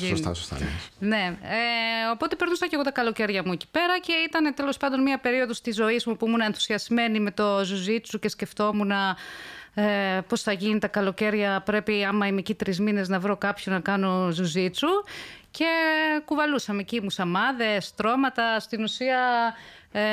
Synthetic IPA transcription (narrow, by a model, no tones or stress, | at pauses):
inst̪ɐ̰sost̪ɐ̰nene̞eo̞po̞t̪e̞pe̞ɾnusɐceɣo̞t̪ɐkɐlo̞ce̞ɾʝɐmue̞ci̥pe̞ɾɐce̞it̪ɐne̞t̪e̞lo̞spɐnd̪o̞nmiɐpe̞ɾio̞ðo̞st̪izo̞izmupuimunɐenθu̥siɐzme̞nime̞t̪o̞zuzit͡suce̞sce̞ft̪o̞munɐ | epo̞sθɐʝinit̪ɐkɐlo̞ce̞ɾʝɐpɾe̞piɐmɐimecit̪ɾizmine̞znɐvɾo̞kɐpçonɐkɐno̞zuzit͡suce̞kuvɐlusɐmecimusɐmɐðe̞st̪ɾo̞mɐt̪ɐst̪inusiɐ | e